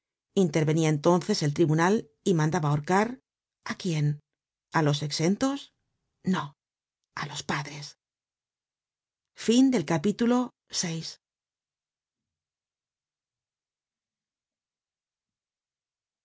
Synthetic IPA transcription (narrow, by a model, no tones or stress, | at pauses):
int̪e̞ɾβe̞niaent̪o̞nθe̞se̞lt̪ɾiβunal | imãnd̪aβaoɾkaɾ | akje̞n | alo̞se̞kse̞nt̪o̞s | no | alo̞spaðɾe̞s | find̪e̞lkapit̪ulo̞ | sejs